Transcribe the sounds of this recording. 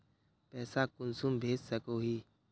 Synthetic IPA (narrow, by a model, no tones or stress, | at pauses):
pɛːsaːkʊnsumbʱeːd͡ʒsəkoːɦiː